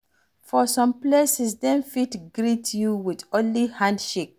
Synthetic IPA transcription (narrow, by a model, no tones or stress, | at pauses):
fɔsɔ̃mplesisdɛ̃nfitɡɹitjuwidɔlihãndʃek̚